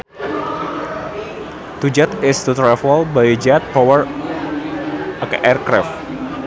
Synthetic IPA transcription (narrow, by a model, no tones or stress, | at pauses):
t̪ud͡ʒat̪ɪst̪ut̪ɾɛfɔlbajid͡ʒat̪̚pɔwər | akaʔɛrkɾɛf